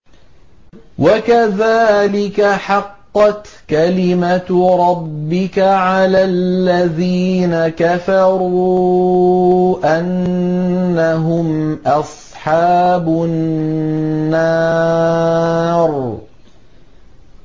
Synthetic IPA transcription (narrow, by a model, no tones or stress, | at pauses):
wʔakaðaːlɪkaħɑqːɑt̪kalɪmat̪ɾˤɑbːɪkaʕalaːlːaðiːnakafɑɾˤuː | ʔanː | aɦʊmʔɑsˤħɑːbʊ | nːɑ | ɾˤ